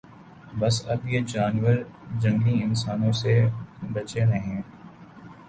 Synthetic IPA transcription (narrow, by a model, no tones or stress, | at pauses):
bɐsɐbjed͡ʒaːnʋəɾd͡ʒɐ̃ŋɡliɪnsaːnõsebɐt͡ʃeɾɐɦẽː